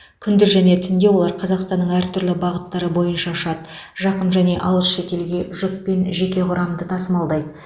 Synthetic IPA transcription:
kʲʰʏnd̪ɪɾʒæne̞t̪ʰʏnd̪e̞wo̞lˠɑɾqʰɑzɑqst̪ɑnːəɴæɾt̪ʰʏɾlɪbɑʁət̪ːɑɾəbo̞jənʃɑʃɑt̪ | ʒ̥ɑqəmʒæne̞ʔɑlˠəsʃe̞t̪e̞lɡʲe̞ʒʏp̚pe̞nʒe̞kʲe̞qʰʊɾɑmd̪ət̪ʰɑsəmɑlˠd̪ɑjd̪ə

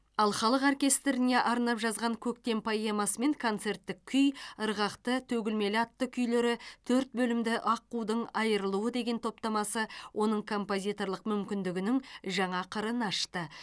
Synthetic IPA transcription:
ɑlˠχɑlˠəqorkʲe̞st̪ɾɪne̞ʔɑɾnɑpʒɑzʁɑŋkʲʰɵk̚t̪e̞npʰojemɑsəme̞ŋkʰo̞nt̪se̞ɾt̪ːɪk̚ʲʰʏjəɾʁɑqt̪ət̪ʰɵɡʲɪlme̞lɑt̪ːəkʲʰʏjle̞ɾɪt̪ʰɵɾt̪̚bɵlɪmd̪ɪʔɑqːud̪əɴɑjəɾəlˠuwəd̪e̞ɡʲe̞nt̪ʰo̞p̚t̪ɑmɑsəwʔo̞nəɴkʰo̞mpo̞zʲijt̪o̞ɾlˠəqmʏmkʲɪnd̪ɪɡʲɪnɪŋʒɑɴɑqʰəɾənɑʃt̪ə

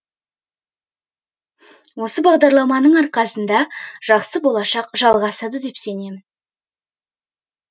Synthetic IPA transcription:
wo̞səbɑʁd̪ɑɾlˠɑmɑnəɴɑɾqɑsənd̪ɑʒ̥ɑqsəbo̞lˠɑʃɑqʒɑlˠʁɑsɑd̪əd̪e̞pse̞ne̞mɪn

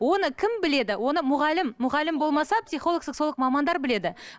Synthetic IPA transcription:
wo̞nəkʲʰɪmbɪle̞d̪ɪwo̞nəmʊʁɑlːɪmːʊʁɑlːɪmbo̞lˠmɑsɑpsijχo̞lˠoksəqso̞lˠəqmɑmɑnd̪ɑɾbɪle̞d̪ɪ

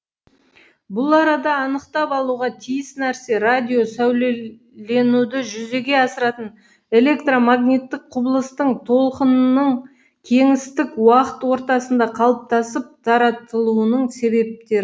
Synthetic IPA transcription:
bʊlˠɑɾɑd̪ɑːnəqt̪ɑpɑlˠuʁɑt̪ʰijɪsnæɾse̞ɾad̪ʲio̞sæwle | le̞nud̪ɪʒʏze̞ɡʲe̞ɑsəɾɑt̪ən | e̞lʲe̞kt̪romaɡnʲit̪ːɪk̚qʰʊbəlˠəst̪əɴt̪ʰo̞lˠqənnəɴ | kʲʰe̞ŋɪst̪ɪkwɑqət̪wo̞ɾt̪ɑsənd̪ɑqʰɑlˠəp̚t̪ɑsəp̚t̪ʰɑɾɑt̪əlˠuənəɴse̞be̞p̚t̪e̞ɾɪ

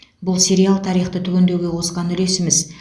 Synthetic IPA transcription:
bʊlˠsʲe̞ɾialˠt̪ʰɑɾijχt̪ət̪ʰʏkʲe̞nd̪e̞wɡʲe̞qʰo̞sʁɑnʏle̞sɪmɪz

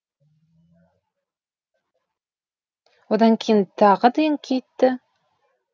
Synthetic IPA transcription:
wod̪ɑŋkʲʰejɪnt̪ʰɑʁəd̪ejɪŋkʲʰejt̪ːɪ

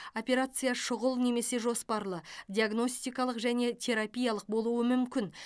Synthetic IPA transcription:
opʲe̞ɾat̪sɨjaʃʊʁəlˠne̞me̞se̞ʒo̞spɑɾlˠəd̪ʲiaɡno̞sʲt̪ijkɑlˠəqʒæne̞t̪ʰe̞ɾapʲijɑlˠəq̚bo̞lˠuəmʏmkʲɪn

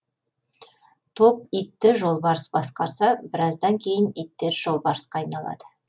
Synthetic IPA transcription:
t̪ʰo̞p̚it̪ːɪʒo̞lˠbɑɾəsbɑsqɑɾsɑbɪɾɑzd̪ɑŋkʲʰe̞jɪnit̪ːe̞ɾʒo̞lˠbɑɾəsqɑːjnɑlˠɑ̰d̪̥ə

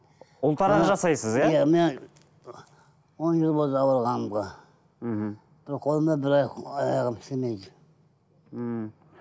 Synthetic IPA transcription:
ʊlˠt̪ɑɾɑʒɑsɑjsəzjajæmen | wonʒəlˠbolˠd̪əɑwəɾʁɑnəmʁɑ | b̥ɪɾqʰo̞lˠəmd̪ɑbɪɾɑjɑjɑʁəmsemejd̪ɪ

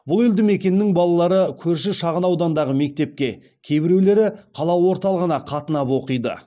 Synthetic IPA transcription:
bʊlˠeld̪ɪme̞kʲe̞nɪːɪŋbɑlˠɑlˠɑɾəkʲʰɵɾʃɪʃɑʁənɑwd̪ɑnd̪ɑʁəme̞k̚t̪e̞p̚kʲe̞ | kʲʰe̞jbɪɾe̞wle̞ɾɪqʰɑlˠɑwo̞ɾt̪ɑlˠəʁənɑqʰɑt̪ənɑpwo̞qəjd̪ə̰

